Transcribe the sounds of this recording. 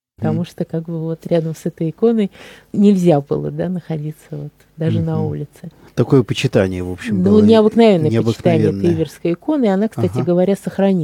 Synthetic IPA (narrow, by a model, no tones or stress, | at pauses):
pə̥t̪ɐmuʂt̪okaɡbɨvo̞t̪ɾʲad̪əmsɛt̪əjɪko̞nəjnʲɪlʲzʲabɨ̰lˠə̰d̪anəxɐdʲit̪səvo̞t̪ | d̪aʐɨnɐulʲɪt̪sɨ | t̪ɐko̞jəpət͡ɕɪt̪anʲɪjəvopɕːɪmnunʲɪɐbɨknɐvʲenːəpət͡ɕɪ̥t̪anɪɪɛt̪ibʲɪrskəjɪko̞nɨɪɐnakstt̪atʲɪɡəvɐɾʲasəxɾɐnʲi